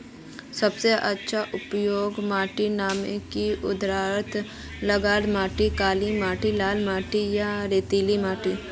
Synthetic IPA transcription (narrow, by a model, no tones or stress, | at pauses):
sɐbseʔɐtːʃʰaʔʊpjoːɡmaːʈinaːmḛkiʊd̪ɾaːɾt̪ʰ | lɐɡaːd̪maːʈikaːlimaːʈilaːlmaːʈijaɾeːt̪iːlimaːʈi